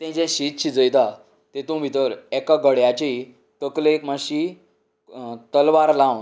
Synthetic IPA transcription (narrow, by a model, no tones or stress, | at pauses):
t̪ɛ̃d͡ʑɛ̃ɕit̪̚t͡ɕʰid͡zəjt̪a | t̪et̪ũbʱit̪əɾɛkaɡəɽjat͡ɕi | t̪əklekmaɕi | t̪əlʋaɾlãwn